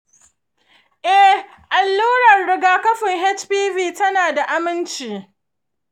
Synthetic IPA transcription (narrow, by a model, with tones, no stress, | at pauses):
ʔɛ˦h | ʔa˨lːuː˦ɾɐ˨rɽɪ˨ɡaː˦kɐ˦ɸɪ˨ŋɦɛ˦t͡ʃpiː˦viː˦tɐ˦naː˨da˨ʔa˦mɪ˦nt͡ʃiː˨